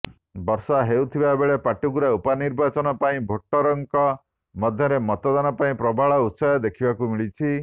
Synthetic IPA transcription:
bɔɾsɔɦewt̪ʰibaebeɭepaʈukuɾaupaniɾbat͡ʃɔnɔpaĩbʱoʈːɔɾɔŋkɔ | mɔd̪ʱjɔɾemɔt̪ɔd̪anɔpaĩpɾɔbʱaɭɔut̪sɔjɔd̪ekʰibakumiɭit͡ʃʰi

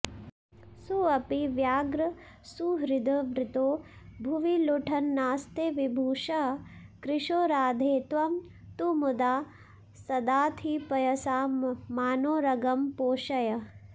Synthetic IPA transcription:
suɐpiʋjaːɡɾɐ | suɦɾid̪ɐʋɾɪt̪oːbʱuʋiluʈʰɐnːaːst̪eːʋibʱuːʃɐkɾɪʂoːɾaːd̪ʱeːt̪ʋɐm | t̪umud̪aː | sɐd̪aːt̪ʰipɐjɐsaːmaːnoːɾɐɡɐmpoːʃɐjɐ

